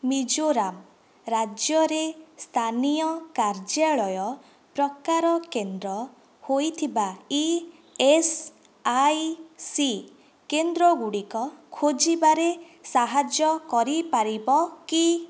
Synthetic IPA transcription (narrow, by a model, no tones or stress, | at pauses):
mid͡ʒoɾam | ɾad͡ʒjɔɾest̪ʰanijɔkaɾd͡ʒjaɭɔjɔ | pɾɔkaɾɔkend̪ɾɔ | hojt̪ʰibai | es | ajsi | kend̪ɾɔɡuɽikɔkʰod͡ʒibaɾe | saɦad͡ʒjɔkɔɾipaɾibɔki